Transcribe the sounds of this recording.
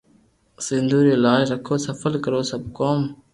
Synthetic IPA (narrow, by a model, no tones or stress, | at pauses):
sind̪uːɾilaːjɾəkʰoːsɐfəlkəɾoːsɐb̚koːm